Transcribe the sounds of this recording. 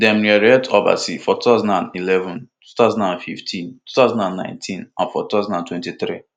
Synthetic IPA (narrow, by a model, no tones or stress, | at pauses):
dɛ̃mɹiaɾɛtɔba̰sifɔtut̪aʊzãndãnilɛvɔ̃n | u̥t̪aʊzãndãnfiftʰĩntu̥t̪aʊzãndãnːã̰ɪ̃ntʰĩnãnfɔtutaʊzãndãntwɛ̃ntit̪ɾi